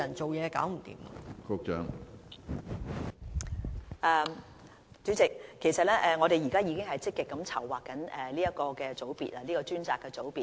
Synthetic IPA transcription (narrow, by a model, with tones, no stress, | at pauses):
ɐ˨˩nt͡so˨wjɛː˨˧ka̰ː˨˥wm̩˨˩t̪ḭː˨˩mɐ˧kʊ˧k̚t͡ʃœ̰ː˨˥ŋ | ʔɛ˨˧ | t͡syː˨˥t͡sɪ˨k̚kʰːe˨˩jsɐ˨t̚lɛː˥ʔɛː˨˧ŋɔː˨˧ɾe˨jiː˨˩kaː˥jiː˨˧kɪ˥ŋɦɐ˨jt͡sɪ˥kːɪ˨kːɐ˨˧˥mt͡sʰɐ˨˩wːaː˨kːɐ˨˥nʔɛ˨liː˥jɐ˥t̚kɔː˧kɛː˧t͡so˨˥wpḭː˨t̚aː˨˧liː˥kɔː˧t͡ʃyː˥nt͡saː˨˧kːɛː˧t͡so˨˥wpiː˨t